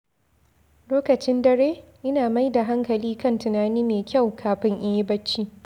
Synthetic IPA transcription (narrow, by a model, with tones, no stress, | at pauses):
loː˦kɐ˨t͡ʃɪ˦ndɐ˨ɾeː˦ʔɪ˦naː˨ma˦jda˨ɦa˦ŋkɐ˨liː˦kɐ˦˨ntɪ˨naː˦niː˦meː˨kʲa˦˨wkʰaː˨ɸɪ˦ŋʔɪ˦jbɐ˦t͡ʃːiː˦